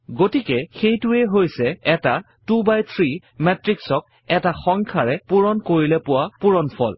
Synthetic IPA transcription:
ɡotikɛxejtʊɛɦojsɛːta | tubajt̪ʰɹi | mɛtɹiksɔk̚ | ɛtaxɔŋkʰaɹɛpuɹɔnkoɹilɛpʊwapuɹɔnpʰɔ̰l

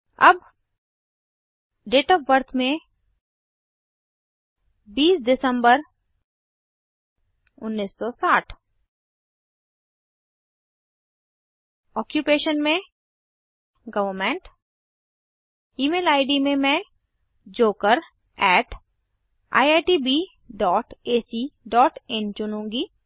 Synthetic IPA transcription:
ɐ̰b | ɖeːʈɔːʋəɾt̪ʰmẽ | biːsɖɪsə̃mbəɾ | ʊnːiːsːɔsaːʈʰ | ɔːkjupeːʃənmẽ | ɡɐʋəɾmẽɳʈ | iːmeːlaːɪɖimẽmɛ̃ː | d͡ʒoːkəɾ | ɛːʈʰ | a̰ːjaːʈibi | ɖɔːʈeːsiɖɔːʈɛnt͡ʃʊnũːŋɡiː

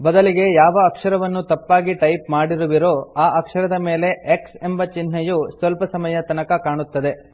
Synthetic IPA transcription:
bɐd̪ɐliɡe̞jaːʋɐːkʂɐɾɐʋɐnːut̪ɐpːaːɡiʈɐjpmaːɽiɾuʋiɾo̞ːaːʔɐkʂɐɾɐd̪ɐme̞ːle̞ʔekse̞mbɐt͡ʃinːɐjusʋɐlpɐsɐmɐjɐt̪ɐnɐkɐkaːɳut̪ːɐd̪e̞

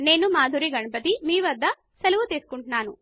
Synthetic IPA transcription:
ne̞ːnumaːd̪ʱuɾiɡɐɳɐpɐt̪imiːʋɐd̪ːɐ | sɐluʋut̪eːsu̥kuɳʈunaːnṵ

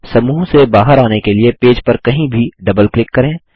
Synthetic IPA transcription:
sɐmuːɦsebaːɦəɾaːnekeliepeːd͡ʒpɐɾkɐɦĩbʱiɖɐbəlklɪkːɐɾẽː

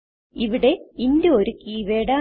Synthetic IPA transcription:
iʋiɽe̞indeoɾukːiːʋeːɽaː

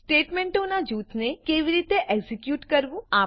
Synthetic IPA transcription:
sʈeːʈmẽɳʈonad͡ʒuːt̪ʰnekeʋiɾit̪eʔɛɡsikjuːʈkəɾʋũa

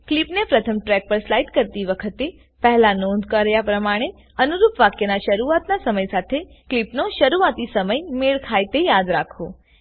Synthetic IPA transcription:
klipnepɾət̪ʰəmʈɾɛk̚pəɾslajʈkəɾt̪iʋəkʰət̪e | pəɦlanõnd̪ʱkəɾjapɾəmaɽ̃e | ənuɾupʋakjənaʃəɾuat̪nasəməjsat̪ʰe | klipnoʃəɾuat̪isəməjmeɭkʰajt̪ejad̪ɾakʰo

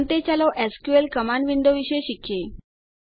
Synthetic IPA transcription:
nt̪et͡ɕaloʔæskjuelkəmaɳʋiɳd̪oʋiɕeeɕikʰje

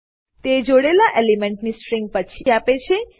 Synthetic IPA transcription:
t̪ed͡ʒoɽelaʔelimeɳʈnisʈɾĩŋɡ̚pət͡ʃʰiapet͡ʃʰe

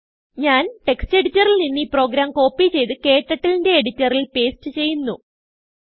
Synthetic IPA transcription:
ɲaːnʈe̞kste̞ɽitːɐrilninːiːpro̞ːɡɾaːmko̞ːpːit͡ɕe̞jt̪ɨke̞ːʈːɐʈːilinde̞ːɽitːɐrilpe̞ːstɨt͡ɕe̞jːunːu

